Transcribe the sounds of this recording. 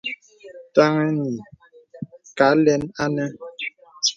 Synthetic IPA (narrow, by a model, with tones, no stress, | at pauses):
ta˦ŋɛ˦ni˨ | ka˨˦lɛ˦na˦nɛ˦